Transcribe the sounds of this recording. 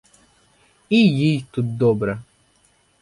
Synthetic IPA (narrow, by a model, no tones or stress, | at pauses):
ijijt̪utd̪ɔbɾa